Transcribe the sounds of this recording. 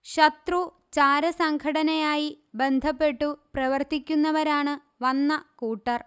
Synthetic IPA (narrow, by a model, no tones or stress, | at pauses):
ɕɐt̪ru | t͡ɕaːɾɐsɐŋɡʰʱɐɽɐnɐjaːji | be̞nd̪ʱɐpːe̞ʈːuprɐʋɐrt̪ikʲːunːɐʋɐɾaːɳɨ | ʋɐnːɐkuːʈːɐr